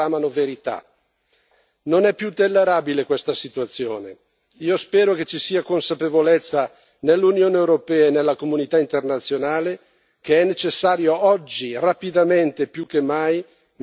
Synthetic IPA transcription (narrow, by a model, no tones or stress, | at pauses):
aːmanoveɾit̪a̰ | nonɛpːjut̪ːelːeɾaːbilekwest̪asit̪uat̪sːjoːne | iːospɛːɾoket͡ʃːisiːakonsapevolet̪sːa | nelːunjoːneewɾopɛːaenelːakomunit̪aint̪ernat̪sːjonaːle | keɛnːet͡ʃesːaːɾjoɔd͡ʒːirapid̪ament̪epjukːemːaj | m